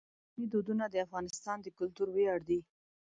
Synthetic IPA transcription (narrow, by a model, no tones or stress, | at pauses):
mid̪od̪unad̪əafɣɑnɪst̪ɑnd̪əkʊlt̪uɾweɑɽd̪i